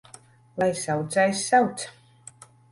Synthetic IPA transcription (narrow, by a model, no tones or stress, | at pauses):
lˠajsawt̪zajsːawt̪s